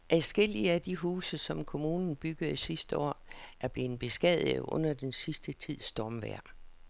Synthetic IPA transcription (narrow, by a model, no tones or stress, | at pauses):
ʔæsɡ̥e̝l̰iəæd̥iɦuːsəsɒ̽mkʰo̝muːnn̩b̥yɡ̥ð̩ˠisisd̥əɒ̰ːʔæɐb̥le̝ːn̩ˠb̥e̝sɡ̥ɛð̰̩ˠʔɔ̽n̰ɐd̥ensisd̥ət͡sʰið̰ˠsd̥ɒmʋæɐ̰